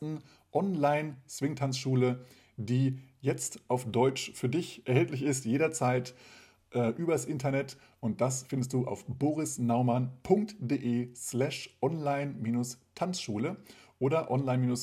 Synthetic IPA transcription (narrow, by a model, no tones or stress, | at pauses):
n̩ | ʔɔnlaɪnt͡sv̥ɪŋtʰant͡sʃuːlə | diːjɛt͡stʔaʊfd̥ɔʏt͡ʃfyːɐdɪçʔɛɐhɛltlɪçɪstjeːɾɐt͡saɪt | ʔɛːʔyːbɐasʔɪntɐnɛt | ʔʊnt̚d̥asfɪndəst̚d̥uːʔa̰ʊfboːʁɪsnaʊmanpʰʊŋk̚td̥eːʔeːslɛʃʔɔnlaɪnmiːnʊstʰant͡sʃuːləʔoːɾɐʔɔnlaɪnmiːnʊs